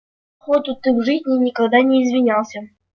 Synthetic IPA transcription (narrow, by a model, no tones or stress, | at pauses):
xot̪ʊt̪ːɨxʐɨzʲnʲɪjnʲɪkaɡd̪anʲɪːzvʲɪnʲalˠsʲə